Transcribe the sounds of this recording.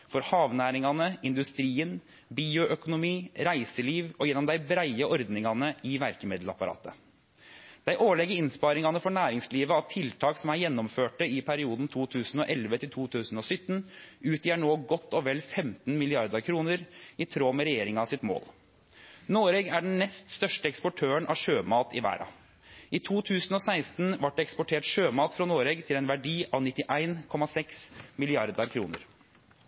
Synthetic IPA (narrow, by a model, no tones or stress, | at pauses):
fɔɾhɑːʋnæːɾɪŋɑnəɪnd̪ʉst̪ɾiːən | biːʊʔœkʊnʊmiːɾæɪsəliːʋɔjɛnːɔmd̪æɪbɾæɪəʔɔɾd̪nɪŋɑnəɪʋæɾkəmeːd̪l̩ɑ̰pɑɾɑ̰ːt̪ə | d̪̥æɪʔoːɭɛɡəɪnspɑːɾɪŋɑnəfɔɳæːɾɪŋsliːʋəɑʋt̪ʰɪlt̪ʰɑːksɔmæɾjɛnːɔmføːʈəɪpʰæɾɪuːd̪n̩t̪ʰuːt̪ʰʉːsn̩ɔʔɛlʋət̪ʰɪlt̪ʰuːt̪ʰʉːsn̩ɔsʏt̪ːnʉːt̪jæːɳoːɡɔt̪ːɔʋɛlfɛmt̪n̩mɪlɪɑɾd̪əɾkʰɾuːnəɾɪt̪ʰɾoːmɛɾɛjeːɾɪŋɑɑsɪt̪mo̰ːl | noːɾɛːɡæɖɛn̩nɛst̪st̪œʂʈəɛkspɔʈʰøːəɳʔɑ̰ʋʂøːmɑːt̪ɪʋæ̰ːɾɑ̰ | ʔɪt̪ʰuːt̪ʰʉːsnɔsæɪst̪n̩ʋɑʈːɛkspɔʈʰeːʈʂøːmɑːt̪fɾɑnoːɾɛːɡt̪ʰɪlɛnʋæɖiːʔɑʋnɪt̪ːɪʔæɪnkʰɔmɑsɛksmɪlɪɑɾd̪əɾkʰɾṵːnə̰ɾ